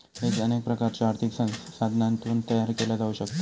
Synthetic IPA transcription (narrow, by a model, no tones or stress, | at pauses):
hed͡ʑənek̚pɾəkaɾt͡ɕaaɾt̪ʰiksə̃nssad̪ʱnant̪uːnt̪əjaɾkelad͡zauɕəkt̪e